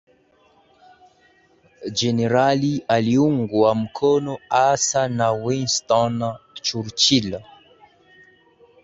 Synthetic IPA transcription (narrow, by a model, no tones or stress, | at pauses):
d͡ʒɛneɾalialiuŋɡuam̩kʰɔnɔasanawinst̪ɔnt͡ʃuɾt͡ʃila